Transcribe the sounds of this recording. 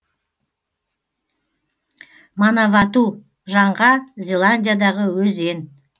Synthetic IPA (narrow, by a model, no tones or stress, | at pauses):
mɑnɑvɑt̪u | ʒɑɴʁɑzʲe̞lˠanʲdʲijad̪ɑʁəwɵze̞n